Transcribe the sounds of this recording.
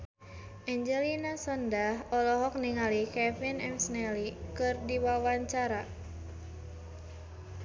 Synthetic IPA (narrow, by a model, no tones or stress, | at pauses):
ʔɛɲd͡ʒɛlinasɔndaɦɔlɔɦɔk̚niŋalikɛfinɛmsnɛlikɨrdiwawaɲt͡ʃaɾa